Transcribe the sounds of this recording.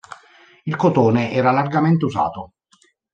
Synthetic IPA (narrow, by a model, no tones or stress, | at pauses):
ilkot̪oːneʔɛːɾalarɡament̪euza̰ːt̪o